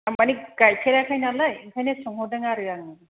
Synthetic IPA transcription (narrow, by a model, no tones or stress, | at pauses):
amaniɡajpʰeɾakʰajnalajiŋkʰajnesɔŋhɔdɯŋaɾɯaŋɯ